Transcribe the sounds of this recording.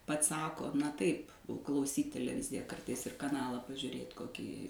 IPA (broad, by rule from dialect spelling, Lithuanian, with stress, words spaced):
ˈpɐts ˈsɑːkoː nɐ ˈtɐɪp klˠɐʊˈsʲiːt tʲɛlʲɛˈʋʲɪzʲɪjɛ ˈkɐrtɐɪs ɪr kɐˈnɑːlˠɑː pɐʒʲʊrʲeːt koːˈkʲiː